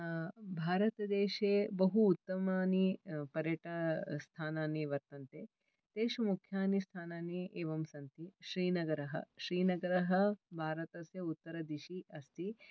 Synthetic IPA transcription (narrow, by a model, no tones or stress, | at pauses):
bʱaːɾɐt̪ɐd̪eːʃeːbɐɦuːt̪ːɐmaːnipɐɾjɐʈɐst̪ʰaːnaːnːiʋɐɾt̪ɐnt̪eː | t̪eːʃɐmukʰjaːnist̪ʰaːnaːnieːʋɐmsɐnt̪iʃɾiːnɐɡɐɾɐɦɐ̰ʃɾiːnɐɡɐɾɐɦɐ̆bʱaːɾɐt̪ɐsjɐut̪ːɐɾɐd̪iʃiɐst̪i